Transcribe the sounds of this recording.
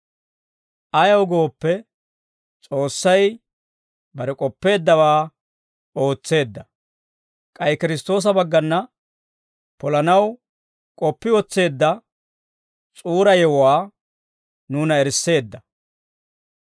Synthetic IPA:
ʔɐjɐwɡo̞ːpːɛ | t͡sʼo̞ːsːɐj | bɐɾɛkʼɔpːe̞ːd̪ːɐwaː | o̞ːt͡sːe̞ːd̪ːɐ | kʼɐjkɪɾɪst̪o̞ːs̬ɐbɐɡːɐnːɐ | pɔlɐnɐw | kʼɔpːɪwɔt͡sːe̞ːd̪ːɐ | t͡sʼuːɾɐjɛwɔwaː | nuːnɐɛɾsːe̞ːd̪ːɐ

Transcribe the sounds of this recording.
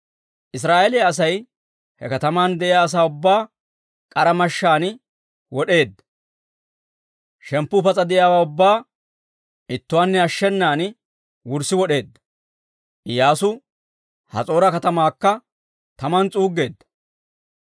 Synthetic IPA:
ʔɪs̬ɾaːʔelɪjaɐs̬ɐj | hɛkɐt̪ɐmaːnd̪ɛʔɪjaːs̬aːʊbːaː | kʼɐɾɐmɐʃːaːn | wɔɗe̞ːd̪ːɐ | ʃɛmpːʊpɐt͡sʼɐd̪ɪjaːwaːʊbːaː | ɪt̪ːʊwaːnːɛɐʃːɛnːaːn | wʊɾsɪwɔɗe̞ːd̪ːɐ̥ | ɪjaːsʊ | hɐ̰t͡sʼo̞ːɾɐkɐt̪ɐmaːkːɐ | t̪ɐmɐnt͡sʼuːɡːe̞ːd̪ːɐ̥

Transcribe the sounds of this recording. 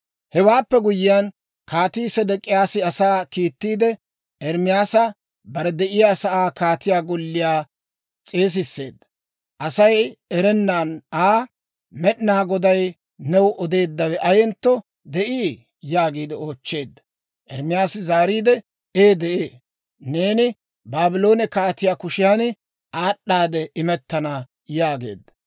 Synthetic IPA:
hɛwaːpːɛɡʊjɪjan | kaːt̪iːsɛd̪ɛkʼːɪjaːsɪɐsaːkiːt̪ːiːd̪ɛ | ʔɛɾmɪjaːsɐ | bɐɾɛd̪ɛʔɪjaːsɐʔaːkaːt̪ɪjaːɡɔlːɪjaː | t͡sʼeːs̬ɪsːe̞̰ːd̪ːɐ̥ | ʔɐsɐjɛɾɛnːaːnaː | mɛɗnaːɡɔd̪ɐj | nɛwʔɔd̪e̞ːd̪ːɐwɛʔɐjɛnt̪ːɔ | d̪ɛʔiː | jaːɡiːd̪ɪo̞ːt͡ʃːe̞ːd̪ːɐ | ʔɛɾmɪjaːsɪzaːɾiːd̪ɛ | eːd̪ɛʔeː | ne̞ːnɪ | baːbɪlo̞ːnɛkaːt̪ɪjaːkʊʃɪjaːn | ʔaːɗːaːd̪ɛʔɪmɛt̪ːɐnɐ | jaːɡe̞̰ːd̪ːɐ̥

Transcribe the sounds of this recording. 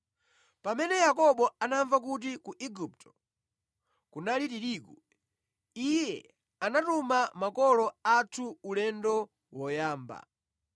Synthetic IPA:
pamɛnɛjakɔɓɔanaɱvak̬ut̬ikuʔiɡup̚tɔ̥ | kunalitiɾiːku | ijɛ | anatumamakɔlɔatʰuulɛndɔ | wɔjaːmba̰

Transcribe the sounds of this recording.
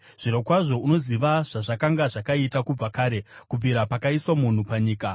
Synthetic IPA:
ʐ̥iɾokwaʐo̞uno̞ziʋaʐ̥aʐakaŋɡaʐakaitakub͡vakaːɾe̞kub͡viɾapakaiswamun̤upaɲiːka

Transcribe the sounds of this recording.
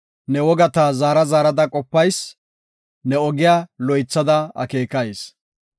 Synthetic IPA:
nɛwɔɡɐt̪ɐzaːɾɐzaːɾɐd̪ɐkʼɔpːɐjs | nɛɔɡɪjaːlɔjt͡sːɐd̪ɐɐ̰ke̞ːkɐjes

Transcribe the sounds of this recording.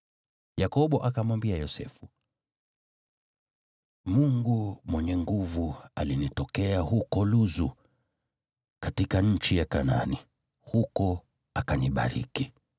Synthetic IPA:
jakɔɓɔʔakamwambiajɔsɛ̰fu | muŋɡumwɛɲɛŋɡuvualinitɔkɛaɦukɔluzu | katikaɲ̩t͡ʃijakana̰ni | hukɔ | akaniɓa̰ɾḭki

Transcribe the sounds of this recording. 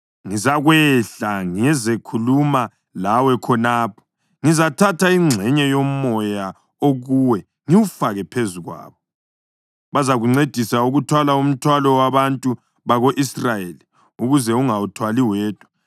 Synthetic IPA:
ŋizaɣwɛɬaŋiɛzekʰuluma | lawɛkʰɔnaːpʰɔ̥ | ŋizatʰatʰaiŋ͡ǀʱɛɲɛjomɔja | oɣuwɛ | ŋiwufaɣɛpʰezuɣwa̰ːβɔ | βazaɣuŋ͡ǀed̥ʱisauɣutʰwalaum̩tʰwalɔwaβantʼu | βaɣoʔisrajeli | uɣuzɛuŋautʰwaliwɛːd̥ʱwḁ

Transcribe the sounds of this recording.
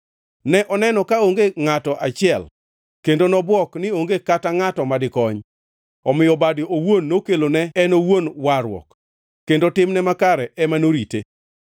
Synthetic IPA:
nɛʔɔnɛnɔkaoŋɡeŋatɔʔat͡ʃɪɛl | kendonɔbwɔknɪoŋɡekataŋatɔmadɪkɔɲ | ɔmɪjɔbadiowonːokelonɛɛnowonwaɾwɔ̰kː | kːendotɪmnɛmakaɾɛɛmanoɾite

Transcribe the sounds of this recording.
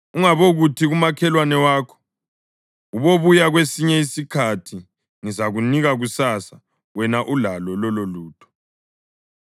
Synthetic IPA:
uŋaβoɣutʰiɣumakʰɛlwanɛwaːkʰɔ̥ | uβoβujaɣwesiɲɛisikʰatʰi | ŋizaɣuniɣaɣusasa | wɛnaʔulalɔlɔloluːtʰɔ̥

